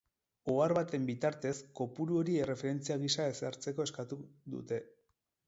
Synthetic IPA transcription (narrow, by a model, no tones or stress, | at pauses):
oaɾβat̪e̞mbit̪aɾt̪e̞sko̞puɾuo̞ɾie̞re̞fe̞ɾe̞nt͡siaɣ̞isae̞saɾt͡se̞ko̞e̞skat̪uðṵt̪e̞